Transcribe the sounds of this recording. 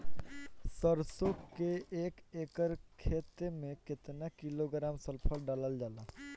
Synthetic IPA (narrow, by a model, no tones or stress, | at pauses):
səɾsokːeeːkeːkəɾkʰːeːt̪emẽkɪt̪nakɪloɡɾaːmsəlpʰəlɖaːləld͡ʒaːlaː